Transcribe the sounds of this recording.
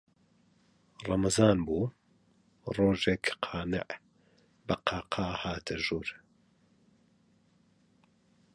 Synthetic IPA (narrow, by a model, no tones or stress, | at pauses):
rˤɑmɐzaːnbuː | roːʒeːkqʰɑːnɨ̰ʕ | bɐqʰɑːqʰɑːhaːt̪ʰɐʒuːɾ